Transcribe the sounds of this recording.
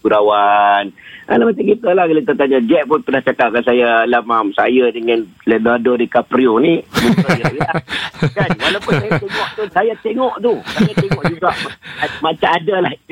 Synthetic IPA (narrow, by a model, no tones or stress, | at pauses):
uɾawanʔa̰lamat͡ʃaŋɡit̪əlahkalət̪̬at̪aɲad͡ʒɛʔ̚pʊnpənaht͡ʃakaʔ̚kansajalamamsa̰jadəŋãn | lɛdadodikapɾionimukjajaakannwalawpʊnsajat̪eŋɔʔt̪usajat̪eŋɔʔt̪usajat̪eŋɔʔd͡ʒuɡaʔmamat͡ʃaŋadalah